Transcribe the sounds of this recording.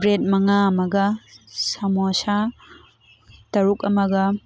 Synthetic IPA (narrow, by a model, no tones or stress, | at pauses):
bɾet̚mɐŋamɐɡɐsɐmosa | tɐɾukɐmɐɡɐ